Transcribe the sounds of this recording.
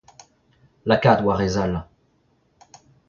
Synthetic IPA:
lakad̪waʁezal

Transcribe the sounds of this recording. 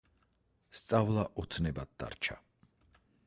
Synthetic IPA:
st̪sʼavlˠaʔɔt̪sʰnɛbad̪̚d̪a̰ɾt͡ʃʰa

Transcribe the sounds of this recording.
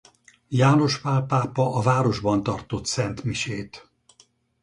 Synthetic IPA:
jaːno̞ʃpaːpaːpɒʔɒvaːɾo̞ʒbɒnt̪ɒrt̪o̞t̪sɛnt̪miʃeːt̪

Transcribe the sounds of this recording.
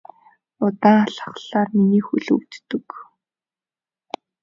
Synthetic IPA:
ʊt̪aːŋaɬə̥̆χɬaːrminiːxuɮɵ̰wt̪t̪ɵ̆k

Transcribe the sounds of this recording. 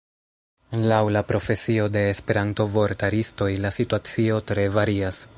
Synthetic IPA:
lawlapɾo̞fe̞sio̞de̞ːspe̞ɾanto̞vo̞ɾtaɾisto̞jlasituat͡sio̞tɾe̞vaɾias

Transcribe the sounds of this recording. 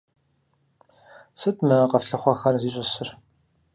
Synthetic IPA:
sɨtmɐqɐfɬɨχʷɐxɐrziːɕʼɐsɨr

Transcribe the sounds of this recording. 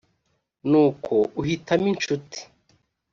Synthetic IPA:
nuːkʰouhitamint͡ʃuti̥

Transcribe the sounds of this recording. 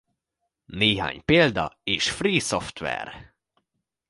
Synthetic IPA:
neːɦa̰ːɲpeːld̪ɒ̰eːʃfriːsoft̪ʋɛ̰r

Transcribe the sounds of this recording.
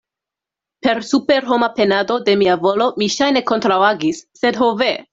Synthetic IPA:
pe̞ɾsupe̞ɾɦo̞mape̞nado̞de̞miavo̞lo̞miʃajne̞ko̞ntɾawaɡisːe̞dɦove

